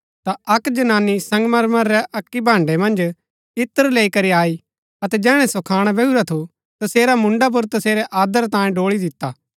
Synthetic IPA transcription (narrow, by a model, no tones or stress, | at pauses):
t̪aɐkd͡ʒɐnaːnːisɐ̃ŋɡmɐɾməɾːɛʔɐkːibʱãːɳɖemɐ̃nd͡ʒ | ɪt̪ːəɾleːikɐɾiaːi | ɐt̪ɛd͡ʒɛːɽ̃ɛsokʰaːɽ̃bɛuɾat̪ʰu | t̪ɐseːɾamʊ̃ɳɖap̬ʊɾt̪ɐseːɾɛʔaːd̪əɾt̪ãːjẽɖoːɭid̪ɪt̪ːaː